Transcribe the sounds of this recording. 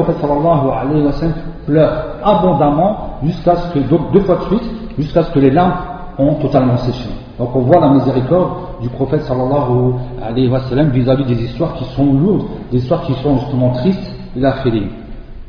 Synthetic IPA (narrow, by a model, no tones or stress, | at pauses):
ɔfɛt̪sɑlːɑlːɑɦua̰lɛjɦiwasalmplœʁabɔ̃d̪amɑ̃ʒyskasə̥kəd̪ɔ̃k̚d̪øfwad̪əsɥit̪ | ʒyskasə̥kəlelɛ̃p | ɔ̃t̪ɔt̪almɑ̃seʃe | d̪̥ɔ̃kɔ̃vwalamizeʁikɔʁd̪ | d̪ypχɔfɛt̪sɑlːɑlːɑɦua̰lɛjɦiwasalːamvizavid̪ezist̪waʁkʲisɔ̃luʁd̪d̪ezist̪waʁkʲisɔ̃ʒyst̪əmɑ̃t̪χist̪ | elafele